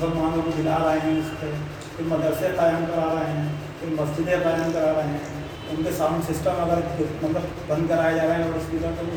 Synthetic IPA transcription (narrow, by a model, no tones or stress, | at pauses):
sɐɾʋɐɦãlokibɪtaɾɐɦeɦɛ̃ɪsse | kɪmɐd̪əɾsepɐjaːnkɐɾaːɾɐɦeɦɛ̃ | kɪɾmɐsd͡ʒɪd̪ɦepəjaːnkɐɾaːɾɐɦeɦɛ̃ | ʊnkesaːmsɪsʈəmɐɡəɾmɐt̪ət̪ | bɐ̃nd̪̚kɐɾaːed͡ʒaːɾɐɦɛ̃ɔːɾɪskisət̪ə